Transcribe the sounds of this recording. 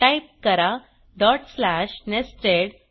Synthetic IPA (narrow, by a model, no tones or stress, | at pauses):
ʈajp̚kəɾa | ɖɔʈslæɕnesʈɾeɽ